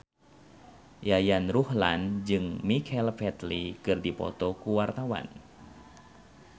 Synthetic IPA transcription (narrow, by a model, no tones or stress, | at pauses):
jajanruhla̰nd͡ʒɨŋmikʰɛlfɛt̪likɨrdipɔ̰t̪ɔkuwart̪awa̰n